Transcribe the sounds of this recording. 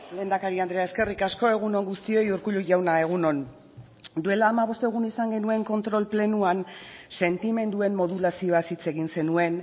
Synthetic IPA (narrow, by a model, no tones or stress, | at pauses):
le̞ːnd̪akaɾiand̪ɾeae̞ske̞rikasko̞e̞ɣ̞uno̞ŋɡust̪io̞juɾkuʎuʝawnae̞ɣ̞uno̞n | d̪ue̞laːmaβ̞o̞st̪eɣunisaŋɡe̞nue̞ŋko̞nt̪ɾo̞lple̞nuanse̞nt̪ime̞nd̪ue̞mmo̞ð̞ulasio̞asit͡se̞ɣinse̞nue̞n